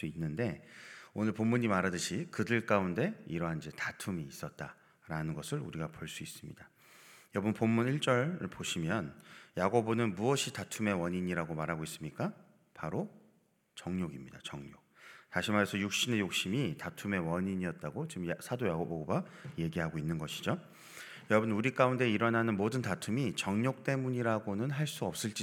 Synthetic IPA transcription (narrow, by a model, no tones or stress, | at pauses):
uinːɯnde̞onɯɭpomːuɲimaɾadɯɕʰikɯdɯɭk͈aunde̞iɾʌɦand͡ʑetatʰumiːs͈ʌt̚t͈a | ɾanɯnɡʌsʰɯɭṵɾiɡapoɭs͈uis͈ɯ̥mɲid̥a | jʌbɯnpomːuniɭt͡ɕ͈ʌɾɯɭpoɕʰimjʌnjaɡobonɯnmuwʌɕʰitatʰume̞wʌɲiɲiɾaɡomaɾɦaɡois͈ɯmɲik͈a | paɾo | t͡ɕʌŋɲoɡimɲid̥a̰t͡ɕʌŋɲok̚taɕʰimaɾesʰʌjuk̚ɕ͈ine̞jok̚ɕ͈imitatʰume̞wʌɲiɲiʌt̚t͈aɡot͡ɕimjsʰadojaɡoboɡoɡaje̞ɡiɦaɡoinːɯnɡʌɕʰi̥d͡ʑo | jʌɾʌbɯnuɾik͈aunde̞iɾʌnanɯnmodɯntatʰumit͡ɕʌŋɲok̚t͈e̞muɲiɾaɡonɯnɦaɭs͈uʌp̚s͈ɯɭt͡ɕ͈i